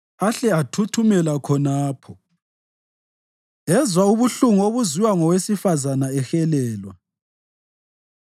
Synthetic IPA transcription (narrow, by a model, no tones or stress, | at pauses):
aɬɛatʰutʰumɛlakʰɔnaːpʰɔ | ɛzwauβuɬuŋuoβuziwaŋɔwesifazanaɛxɛlɛːlwa